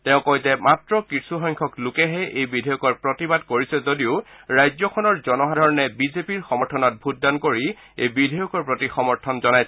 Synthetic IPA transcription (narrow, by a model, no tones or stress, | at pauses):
tɛʊ̃kojtɛmatɹɔkɹisuxɔŋkʰɔklʊkɛɦɛʔejbidʱɔjɔkɔɹpɹotibad̚koɹisɛzodiʊ | ɹajzɔkʰɔnɔɹzɔnɔɦadʱɔɹɔnɛbizepiɹxɔmɔɹtʰɔnɔt̚bʱut̚dankoɹi | ḛjbidʱɔjɔkɔɹpɹotixɔmɔɹtʰɔnzɔnaj